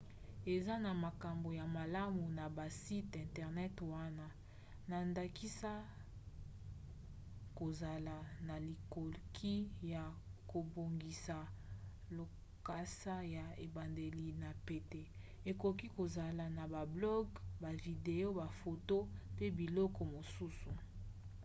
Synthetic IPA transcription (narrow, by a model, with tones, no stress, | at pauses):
e˨za˦na˨ma˨ka˨mbo˨ja˨ma˨la˦mu˨na˨ba˨si˦tɛ̃˨ntɛ˨ʁnɛ˦twa˦na˦ | na˨nda˨ki˦sa˦ | ko˨za˨la˨na˨li˨ko˨lkʰi˦ja˨ko˨bo˨ŋɡi˨sa˨ | lo˨ | ka˦sa˦ja˨e˨ba˨nde˨li˨na˨pe˨te˦ | e˨ko˨k̬i˦ko˨za˨la˨na˨ba˨blɔ˦ɡba˨vi˨de˨jo˦ba˨fo˨to˦pe˦bi˨lɔ˦kɔ˨mo˨su˦su˨